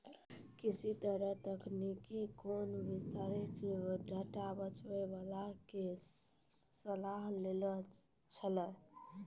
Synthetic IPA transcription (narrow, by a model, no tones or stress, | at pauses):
kisit̪əɾət̪əknikikonbist̪aɾet͡ʃɖʱəʈabət͡ʃʋəʋalake | səlaɦlelə | t͡ʃʰələ